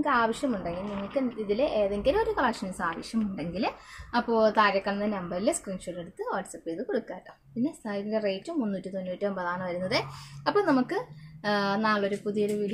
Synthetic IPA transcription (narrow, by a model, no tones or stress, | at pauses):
kːɨaːʋɐʂjɐmuɳɖeŋɡilniŋːɐɭkːɨiðileʔeːðeŋɡilmo̞ɾukɐɭɐkʂɐnɐsaːʋɐʂjɐmuɳɖe̞ŋɡilɐpːo̞ːt̪aːɾɐkːɐɳɐnɨnɐmbɐrileskriːnʂuʈːeɽut̪ːɨʋaːʈsɐpːeːðɨkoɽukːaːampinːe̞st̪ʰaindereːtːumːunːuːtːit̪onːutːɨɐmbɐðaːɳɐʋɐɾunːɐðɨɐpːoːnɐmukːɨ | naːɭːoɾupuðijoɾuʋil